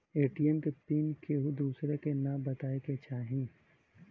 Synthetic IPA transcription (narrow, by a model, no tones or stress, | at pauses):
eːʈiːɛmkepiːnkeɦod̪uːsɾekenɐbɐt̪aːeket͡ʃaːɦĩ